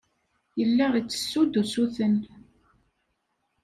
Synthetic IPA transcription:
jəlːæʁit͡sːə̥sːud̪usuθən

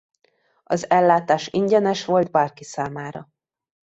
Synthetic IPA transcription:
ɒzɛlːaːt̪aːʃiɲɟɛnɛʃʋo̞ld̪baːrkisaːmaːɾɒ

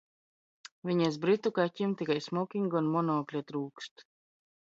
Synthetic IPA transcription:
vʲiɲazbɾit̪ukacʲimt̪ikajsmɔkʲiŋɡɔnmɔnɔːklʲɛt̪ɾuːkst̪

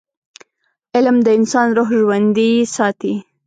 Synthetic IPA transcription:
ɪlmd̪əɪnsɑnɾoɦʒwand̪isɑt̪i

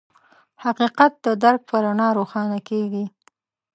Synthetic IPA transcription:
haqiqat̪̚d̪əd̪aɾk̚pəɾanɑɾoxɑnakeɡi

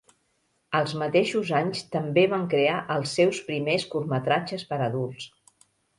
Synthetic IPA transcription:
əlˠzmət̪eʃuzaɲst̪əmbeβ̞aŋkɾeaʔəlˠsːɛwspɾimeskuɾmət̪ɾad͡ʒəspəɾəðulˠs

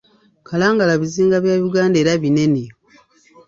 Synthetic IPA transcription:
kʰalaːŋɡalaβiziːŋɡaβjaːβiɡaːnde̞ːɾaβine̞ne

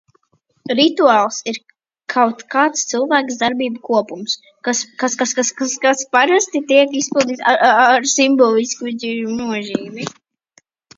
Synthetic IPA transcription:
ɾit̪uaːlˠsiɾ | kʰawt̪kaːt̪st̪sɨlˠvæːksd̪aɾbiːbukuɔpums | kaskaskaskaskaskaspaɾast̪it̪iɛkispilˠd̪iːt̪aaɾsimbɔlˠiskuid͡ʒinuɔʒiːmi

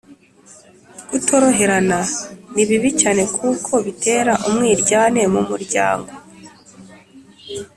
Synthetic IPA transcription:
ɡ̥utʰo̞ɾo̞ɦe̞ɾananiβiβicaːne̞kʰukʰo̞βitʰe̞ːɾaʔumŋiːɾɟaːne̞mumuɾɟa̰ːŋɡo̞

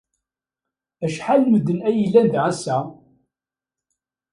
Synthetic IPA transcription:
æʃħalməd̪ːənæjəlːænd̪ʁæsːæ

